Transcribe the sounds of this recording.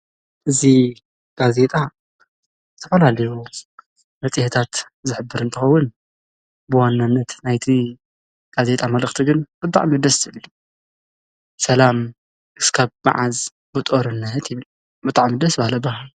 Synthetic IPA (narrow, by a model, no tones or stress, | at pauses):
ʔɨzi | ɡ̥aze̞t̪ʼa | zɨt̪ʰɐfɐlalɐju | mɐt͡sʼiht̪ʰat̪ | zɨħɨbːɨɾɨnt̪ʰɨxɐwːʊn | bɨwanːanːɐt̪najt̪ʰi | ɡ̥aze̞t̪ʼamɐlɨxt̪ʰiɡɨnb̥ɨt̪ʼa̰ʕmid̪ɐszɨβlu | sɐlam | ʔɨskʰaβma̰ʕaz | bɨt̪ʼoɾɨnːɐt̪jɪβl | bɨt̪ʼaʕmid̪ɐsbahlɐbɐhal